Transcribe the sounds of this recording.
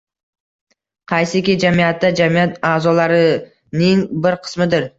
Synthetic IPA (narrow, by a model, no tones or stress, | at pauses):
qʰɑjsɪkʲid͡ʒamijat̪ːad͡ʒamijat̪aːzɒlaɾɪ | nɪŋbɪɾqʰɨ̥smɪd̪ɪɾ